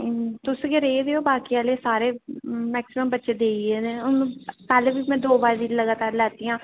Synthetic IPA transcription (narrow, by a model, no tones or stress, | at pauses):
t̪ʊsɡəɾeːd̪eːoːbaːkiːaːleːsaːɾeːmɛːksɪməmbətːʃeːd̪eːiɛːneʊñːpɛːlẽːbiːmɛ̃ːd̪oːbaːid̪iləɡaːt̪aːɾlɛːt̪iːãː